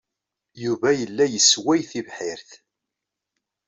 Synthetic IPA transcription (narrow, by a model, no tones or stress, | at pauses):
juvæjəlːæjəswæjθivħɪɾθ